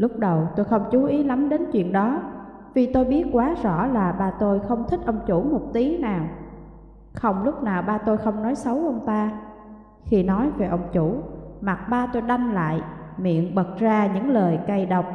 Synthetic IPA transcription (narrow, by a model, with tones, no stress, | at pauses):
lʊ˦˥k͡p̚ɗə˨˩wt̪o˧jxə˧wŋ͡mt͡ɕu˨˦ʔi˨˦la˨˦mɗe˨˦nt͡ɕwḭ˧˨ənɗɔ˨˦ | vi˨˩t̪o˧jɓi˦˥ət̚kwaː˨˦tzɔ̰˧˥laː˨˩ɓaː˧t̪o˧jxə˧wŋ͡mt̪ʰï˦˥k̟̚ʔə˧wŋ͡mt͡ɕu˧˩mo˨˩t̚t̪i˨˦naː˨˩w | xə˧wŋ͡mlʊ˦˥k͡p̚naː˨˩wɓaː˧t̪o˧jxə˧wŋ͡mnɔ˨˦jsə˨˦wʔə˧wŋ͡mt̪aː˧ | xi˧nɔ˨˦jve˨˩ʔə˧wŋ͡mt͡ɕu˧˩ma˨˩t̚ɓaː˧t̪o˧jɗa˧jŋla̰ː˧˨jmḭ˧˨ənɓə˨˩k̚zaː˧ɲɨ̰˧˥ŋləː˨˩jka˧jɗə˨˩wk͡p̚